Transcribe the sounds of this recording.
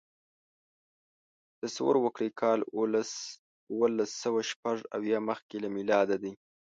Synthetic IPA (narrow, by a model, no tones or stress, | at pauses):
d̪̥əsawə̰ɾwəkɽekʰɑlls | uwəlasːəwaʃpaʐa̰wjɑməxkelamilɑd̪ad̪i